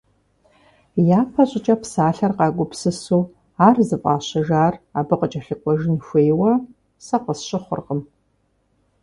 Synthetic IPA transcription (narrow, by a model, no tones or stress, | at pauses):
jaːpʰɐɕʼɪt͡ʃʼɐpsaːɬɐrqɑːɡʷʊpsɨsuː | aːrzɨpʼɑ̰ːɕɐʒaːraːbɨqət͡ʃʼɐɬɨkʷʼɔʒɪnxʷeːjwɐ | sɐqəsɕʼɪχʷʊ̰rqəm